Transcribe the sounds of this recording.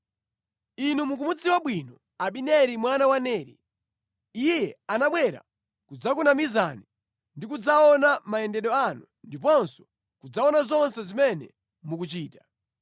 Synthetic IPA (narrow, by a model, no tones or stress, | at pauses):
inumuk̬umud͡ziwaɓwinɔ | aɓinɛɾimwanawanɛːɾḭ | ijɛanaɓwɛɾa̰ | kud͡zak̬unamizani | ndikud͡zaɔnamaɛndɛɗɔanu | ndipɔnsɔ̥ | kud͡zaɔnazɔnsɛzimɛnɛ̰ | mukut͡ʃiːta